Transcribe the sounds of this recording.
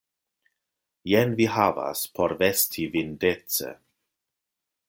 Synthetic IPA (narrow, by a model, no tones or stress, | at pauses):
jenviɦava̰spʰoɾvestʰivindet͡sḛ